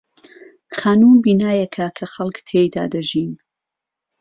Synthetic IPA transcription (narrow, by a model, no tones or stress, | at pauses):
xaːnuːmbiːnaːjekʰakʰɐxɐlˠkt̪ʰejd̪a̰ːd̪ɐʒiːn